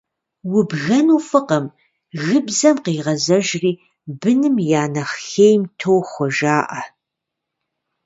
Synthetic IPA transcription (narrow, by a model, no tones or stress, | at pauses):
wʊbɣɐnuːfɨqɐm | ɣɨbzɐmqeːʁɐzɐʒriː | bɨnɨmjaːnɐχxejmtʰowxʷɔʒaːʔɐ